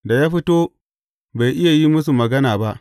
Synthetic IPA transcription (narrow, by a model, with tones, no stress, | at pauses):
da˨jaː˦ɸi˦toː˦ | ba˨jʔɪ˦ja˨ji˦mʊ˦s̬u˨mɐ˨ɡɐ˦naː˨ba˦ʔ